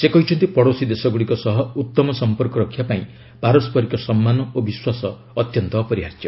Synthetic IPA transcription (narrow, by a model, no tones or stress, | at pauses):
sekɔɦit͡ʃʰɔnt̪ipɔɽosid̪esɔɡuɽikɔsɔɦɔut̪ːɔmɔsɔmpɔɾkɔɾɔkʰjapaĩ | paɾɔspɔɾikɔsɔmːanɔobiswasɔ̰ː | t̪jɔnt̪ɔpɔɾiaɾt̪jɔ